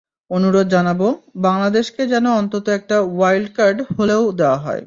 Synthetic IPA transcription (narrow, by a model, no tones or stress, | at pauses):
onuɾod̪d͡ʑanabobaŋlad̪eʃked͡ʑɛnoɔnt̪ot̪oɛk̚ʈawajlɖkaɾɖholeod̪eoaɦɔ̰e